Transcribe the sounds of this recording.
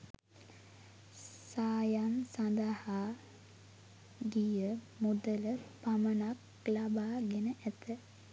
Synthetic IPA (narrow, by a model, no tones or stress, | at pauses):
saːjansand̪ahaː | ɡijə | mod̪ələpamənak | labaːɡenəʔæt̪ʰə